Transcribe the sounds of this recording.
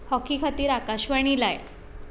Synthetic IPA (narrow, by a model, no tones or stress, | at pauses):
hɔkikʰat̪iːɾakaɕʋaɽ̃ilaj